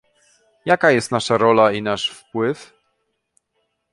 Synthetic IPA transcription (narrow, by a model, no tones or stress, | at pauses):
jakajɛst̪naʂaɾɔlainaʂfpwɘf